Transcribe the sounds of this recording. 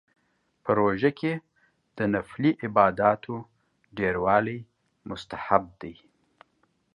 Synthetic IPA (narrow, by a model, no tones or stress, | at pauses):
pəɾoʒakʰe | d̪̥ənafliʔɪbɑd̪ɑt̪ʰo | ɖeɾwɑlaj | mʊst̪ahab̚d̪aj